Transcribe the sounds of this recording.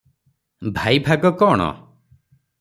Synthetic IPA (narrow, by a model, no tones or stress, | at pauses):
bʱajbʱaɡɔkɔːɽ̃ɔ̰